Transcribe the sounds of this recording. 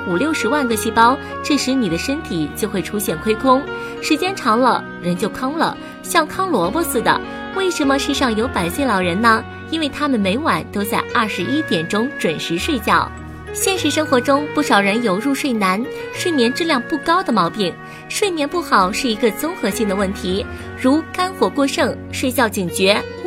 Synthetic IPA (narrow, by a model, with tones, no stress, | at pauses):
u˨˩ljo˥˩ʊʂɻ̩˧˥wa˥˩nɡə˥˧ɕi˥˩pɑ˥ʊ | ʈ͡ʂɤ˥˩ʂɻ̩˧˥ni˨˩d̪ə˦ʂə˥nt̪ʰi˨˩t͡ɕjo˥˧ʊxwe˥˩ɪʈ͡ʂʰu˥ɕjɛ˥˩nkʰwe˥ɪkʰʊ˥ŋ | ʂɻ̩˧˥t͡ɕjɛ˥nʈ͡ʂʰɑ˧˥ŋlə̰˧ | ɻə˧˥nt͡ɕjo˥˩ʊkʰɑ˥ŋlə̰˨ | ɕjɑ˥˩ŋkʰɑ˥ŋlwɔ˧˥bɔ˥˧sɹ̩˥˩d̪ə̰˩ | we˥˩ɪʂə˧˥nmə˧ʂɻ̩˥˧ʂɑ˥˩ŋjo˧˥ʊpa˨˩ɪse˥˧ɪlɑ˨˩ʊɻə˧˥nnə˧ | i˥nwe˥˩ɪt̪ʰa˥mə˨nme˧˥ɪwa˨˩nt̪o˥ʊt͡sa˥˧ɪʔɐ˥˩ʂɻ̩˧˥ʔi˥t̪jɛ˨˩nʈ͡ʂʊ˥ŋʈ͡ʂwə˨˩nʂɻ̩˧˥ʂwe˥˧ɪt͡ɕjɑ˥˩ʊ | ɕjɛ˥˧nʂɻ̩˥˩ʂɤ˥ŋxwɔ˧˥ʈ͡ʂʊ˥ŋpu˥˩ʂɑ˨˩ʊɻə˧˥njo˨˩ʊɻu˥˧ʂwe˥˩ɪna˧˥nʂwe˥˩mjɛ˧˥nʈ͡ʂɻ̩˥ljɑ˥˧ŋpu˥˩kɑ˥ʊd̪ə˨mɑ˧˥ʊpi˥˩ŋ | ʂwe˥˩mjɛ˧˥npu˥˩xɑ˨˩ʊʂɻ̩˥˩i˧˥ɡə˧t͡sʊ˥ŋxɤ˧˥ɕi˥˩ŋd̪ə˩wə˥˩nt̪ʰi˧˥ | ɻu˧˥ka˥nxwɔ˨˩kwɔ˥˧ʂɤ˥˧˩ŋ | ʂwe˥˧ɪt͡ɕjɑ˥˩ʊt͡ɕi˨˩ŋt͡ɕɥɛ˧˥